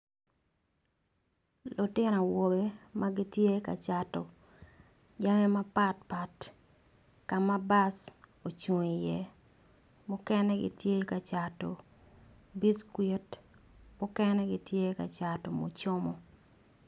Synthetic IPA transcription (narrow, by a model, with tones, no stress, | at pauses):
lʊ˨tɪ˦no˨wo˨be˦ma˦ɡɪ˦tje˦ka̰˨t͡ʃa˨tɔ˨ | d͡ʒa˦me˦ma˦pa˦t̚pa˨t | ka˨ma˦ba˦so˨t͡ʃu˨ŋi˨jɛ˦ | mʊ˦kɛnɛ˦ɡɪ̰˦tje˦ka˨t͡ʃa˨to̰˨ | bi˦skwe˦t | mʊ˦kɛnɛɡɪ˦tje˦ka̰˨t͡ʃa˨tɔ˨mo̰˨t͡ʃo˦mɔ˨